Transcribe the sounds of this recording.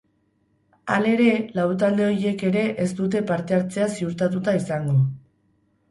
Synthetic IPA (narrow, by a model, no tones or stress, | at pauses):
ale̞ɾe̞lawt̪̬ald̪e̞o̞ɾie̞ke̞ɾe̞ʔest̪ut̪̬e̞paɾt̪e̞aɾt͡se̞asiuɾt̪at̪̬ut̪aisaŋɡo̞